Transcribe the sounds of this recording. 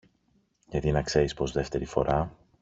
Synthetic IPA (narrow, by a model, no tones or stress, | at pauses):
ʝɐt̪inɐkse̞ɾispɾo̞zðe̞ft̪e̞ɾifo̞̰ɾɐ